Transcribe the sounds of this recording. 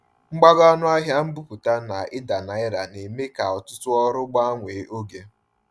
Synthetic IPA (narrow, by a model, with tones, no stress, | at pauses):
ŋ͡m̩˦ɡ͡ba˦ɡɔ˦nʊ˦a˦ɦja˦m̩˦bu˦pu˨ta˦na˨ɪ˦da˨na˨ɪ˦ɾa˨ne˨me˦ka˨ɔ˨tʊ˦tʊ˦ɔ˦ɾʊ˦ɡ͡ba˦a˦ŋʷe˨˦ʔo˦ɡe˦